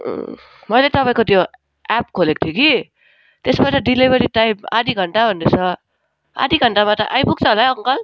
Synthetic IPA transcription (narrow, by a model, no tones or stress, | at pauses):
mʌjlet̪ʌpaĩkot̪jo | ap̚kʰolek̚t̪ʰjuki | t̪esbaʈʌɖilibʌɾiʈajma̰d̪ʱiɡʱʌɳʈabʱʌnd̪et͡sʰʌ | a̰d̪ʱiɡʱʌɳʈabaʈʌ̰ʔajbuk̚t͡sʰʌɦolajʌŋkʌl